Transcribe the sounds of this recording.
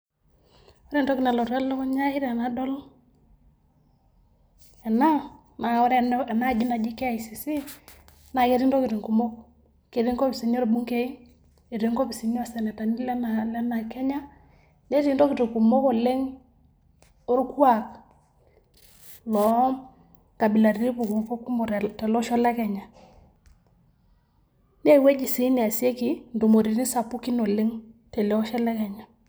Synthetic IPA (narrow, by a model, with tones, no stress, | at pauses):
o˦ɾe˦ntɔ˦ki˨na˨lo˨ɾa˦lo˦kɔ˦ɲa˦i˦ɾe˨na˦dɔ˦l | ɛ˨na˦ | na˨ɔ˦ɾe˦ɛ˨na˦˨d͡ʒi˦na˨d͡ʒi˦ke˦a˨i˨si˨si˦ | na˨ke˦ɾi˦nto˦ki˨ti˨ŋku˨mo˦k | ke˨ɾi˦ŋko˦pi˨si˨ɲo˦ɾbu˦ŋke˦i˦n | e˨ɾi˨˦ŋko˦pi˨si˨ɲo˦a˨sɛ˨nɛ˨ta˨ni˦lɛ˦na˨lɛ˦na˨kɛ˦ɲa˦ | nɛ˦ti˦ndɔ˦kɪ˨tu˨ku˨mɔ˦kɔ˨le˦ŋ | o˦ɾkwa˨k | lɔ˨ | ka˨bi˨la˨ɾi˦pu˨ku˨fɔ˦ku˦mɔ˨ɾtɛ˨lɔ˦ʃɔ˦lɛ˦kɛ˨ɲa˨ | nɛ˦˨we˦d͡ʒi˨si˨˦nɪ˨a˨sje˦ki˨ndu˨mo˨ɾi˨ni˦sa˨pu˦ki˦no˨le˦ŋtɛ˨lɛ˨ɔ˦ʃɛ˦lɛ˦kɛ˨ɲa˨